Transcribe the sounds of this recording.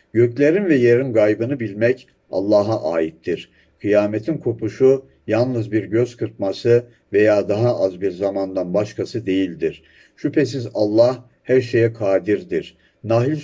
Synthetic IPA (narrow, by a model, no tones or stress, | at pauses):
ɟøclʲeɾinvɛjeɾinɡajbɯnɯbilʲmɛc | a̰lˠːaːɦaʔaːjit̪ʰːiɾ̥ | kʰɯjaːmet̪ʰinkʰopʰuʃu | jalˠnɯzbiɾɟøzkʰɯɾp̪̚masɯ | ve̞jaːd̪aɦaʔazbiɾzamand̪anbaʃkʰasɯd̪e̞jilʲd̪iɾ̥ | ʃypʰe̞s̬izalˠːah | hæɾʃe̞jɛkʰaːd̪iɾd̪iɾ̥ | naɦilʲ